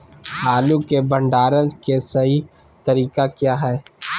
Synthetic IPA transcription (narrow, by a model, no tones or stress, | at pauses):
aːlukebɐ̃ɳɖaːɾə̃nkesɐi | t̪ɐɾiːkakjaːɦɛː